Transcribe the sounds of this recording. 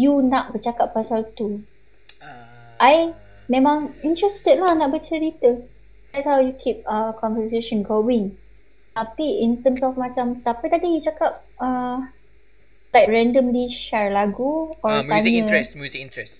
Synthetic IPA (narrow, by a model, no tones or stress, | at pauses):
junaʔ̚bət͡ʃakapːasalt̪u | ʔaj | mẽmãŋĩnt̪ɹɛst̪əd̚lahnaʔbət͡ʃəɾit̪ə | ajthawjukʰip̚əkɔ̃nvəs̬eʃɔ̃nɡowɪ̃ŋ | t̪apiint̪əmsɔfmãt͡ʃamt̪apət̪adijt͡ʃakap̚ə | t̪ajp̚ɹɛ̃ndəmliʃaɹlaɡuɔaɲə̃